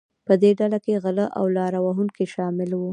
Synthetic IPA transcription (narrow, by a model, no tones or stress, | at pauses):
pəd̪eɖalakeɣələʔa̰wlɑɾawaɦuŋkiʃɑmɪlwu